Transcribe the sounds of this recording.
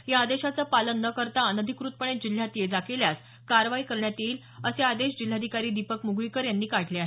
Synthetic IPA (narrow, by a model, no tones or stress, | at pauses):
jaːd̪eɕat͡səːpalənːəkəɾt̪aːnəd̪ʱikɾut̪̚pəɳ̃et̪̚d͡ʑil̤ːjat̪jed͡zakeljas | kaɾʋaikəɾɳjat̪iːl | əsead̪eɕd͡ʑil̤ːad̪ʱikaɾiːd̪ipəkmuɡʋikəɾjanːiːkaʈʰleaɦe